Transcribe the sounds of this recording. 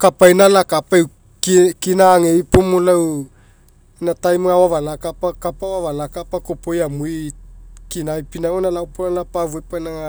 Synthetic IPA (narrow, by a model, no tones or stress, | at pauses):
kapajnalakapaew | kkinaŋejpomolaw | natajmŋawavalakapakapawavalakapakopojamujkinajpinaŋonalawponalapavuepajnaŋa